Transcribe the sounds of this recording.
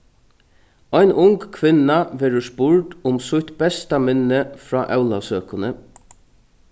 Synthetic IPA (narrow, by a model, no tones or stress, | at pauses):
ɔjnʔʊŋkkʰʋɪnaʋeːɹəspʊɹʈʊmsʊt̪bɛst̪amɛnːəfɾɔ̰ːʔæwlasøːkʊnə